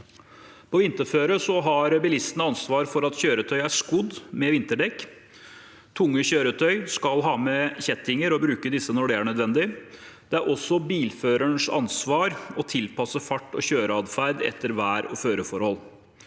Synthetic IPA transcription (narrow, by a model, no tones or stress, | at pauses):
pʰɔʋɪnt̪əɾføːɾəsɔɦɑɾbɪlɪst̪ənəɑnsʋɑːɾfɔɾɑt̪çøːɾət̪ʰœʏæʂkʊd̪mɛʋɪnt̪əɖɛkː | t̪ʰʊŋːəçøːɾət̪ʰœʏskɑlɦɑːmɛçɛt̪ɪŋəɾɔbɾʉːkəd̪ɪsːənɔɖɛæɳœd̪ʋɛnd̪ɪ | d̪̥ɛæɾʔɔsːɔbiːlføːɾəɳʂɑ̰nsʋɑːɾɔt̪ʰɪlpʰɑsəfɑʈːɔ̰çøːɾəɑd̪fæɾd̪ɛ̰t̪ːəɾʋæːɾɔføːɾəfɔɾhɔlː